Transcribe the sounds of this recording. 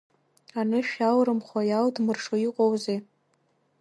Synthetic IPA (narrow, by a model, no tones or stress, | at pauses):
anɨʃᶣawɾɨmχʷajaldmɨrʂoiqʼowze